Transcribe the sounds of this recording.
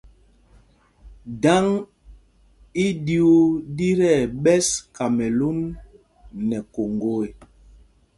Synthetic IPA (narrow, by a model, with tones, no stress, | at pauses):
da˦ŋ | i˦di˨u˦di˦ɾɛ˦˨ɓɛ˦ska˨mɛ˨lu˦nː | ɛ˨ko˨ŋɡo˦˨e˨